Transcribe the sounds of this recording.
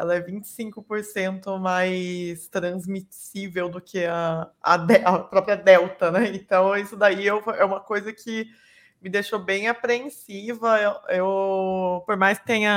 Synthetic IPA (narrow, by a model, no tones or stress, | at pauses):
ɛ̰lɐɛvĩnt͡ʃɪ̥sĩŋkʊpoɾsẽnt̪ʊmajst̪ɾɐ̃zmisivewd̪ʊkʰɪɐɐ̰d̪ɛʔɐpɾɔpɾiɐd̪ɛwt̪ɐnɛẽnt̪ɐ̃w̃isʊd̪aiewfojɛũmɐkojzɐkʰʲɪ | mɪd̪eʃobẽj̃apɾẽsivɐewew | poɾmajskɪ̥t̪ẽɲɐ